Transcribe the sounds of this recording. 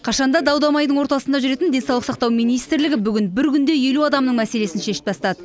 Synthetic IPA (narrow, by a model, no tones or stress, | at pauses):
qʰɑʃɑnd̪ɑd̪ɑwd̪ɑmɑjd̪əɴwo̞ɾt̪ɑsənd̪ɑʒʏɾe̞t̪ɪnd̪e̞nsɑwlˠəq̪sɑq̚t̪ɑwmijnijst̪ɾlɪɡʲɪbʏɡʲɪnbɪɾkʲʏnd̪e̞je̞luɑd̪ɑmnəɴmæse̞le̞sɪnʃe̞ʃɪ̥tp̪̚ʰɑst̪ɑd̪ə